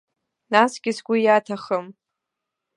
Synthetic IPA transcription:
nasɡʲɪsɡʷʊjatʰaχəm

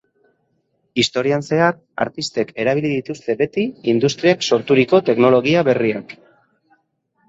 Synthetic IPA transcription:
ist̪o̞ɾianse̞ak̚ | a̰ɾt̪ist̪e̞ke̞ɾaβ̞iliðit̪ust̪e̞be̞t̪iind̪ust̪ɾiakso̞ɾt̪uɾiko̞t̪e̞kno̞lo̞ɣ̞iaβe̞riak

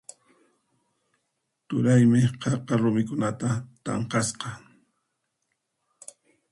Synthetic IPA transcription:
t̪ʊɾajmɪqʰɑqɑɾʊmɪkʊnat̪at̪ɑ̰ɴqɑsqɑ

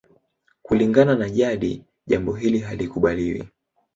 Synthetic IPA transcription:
kuliŋɡananaʄaɗi | ʄambɔɦiliɦalikuɓaliwḭ

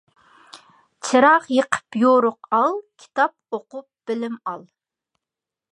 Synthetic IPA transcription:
t͡ʃʰɨɾɑqjəqʰə̥pjoɾʊqɑlˠkʲʰi̥t̪ʰɑp̚oqʊp̚b̥ɪlɪmɑlˠ

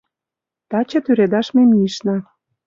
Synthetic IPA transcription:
t̪ɑt͡ɕɤ̆t̪yɾed̪ɑʃmemiʃnɑ

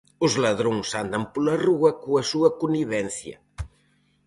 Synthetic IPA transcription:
uzlɐðɾoŋsand̪ɐmpulɐruɐkuɐsuɐkuniβɛnθjɐ̰

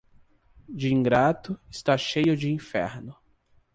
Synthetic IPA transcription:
d͡ʒɪĩŋɡɾat̪ʊɪst̪aʃejʊd͡ʒɪĩfɛ̰ɾnʊ

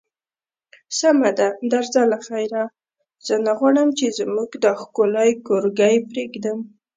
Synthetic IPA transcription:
samad̪ad̪aɾzalaxajɾa | z̥ənaɣwaɽəmt͡ʃezmuɡd̪əxkolajkoɾɡajpɾeɡd̪əm

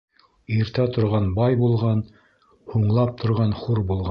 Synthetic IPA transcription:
iɾt̪æt̪ŏɾʁɑnbɑjbulˠʁɑn | huɴlˠɑp̚t̪ʰŏɾʁɑnχuɾbulˠʁɑ

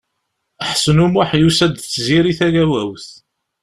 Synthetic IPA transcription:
əħsənumwaħjusæd̪t͡sːziɾiθæɡæwæwθ

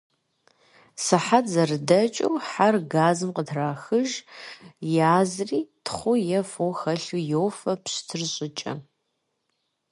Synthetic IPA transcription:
sɨħatzɐrɨdɐt͡ʃʼɐwħarɡaːzɨmqətʰraːxɨʒ | jaːzriːtʰχʷʊjɛfoxɐɬujowfɐpɕtʰɨrɕʼɪt͡ʃʼɐ̰

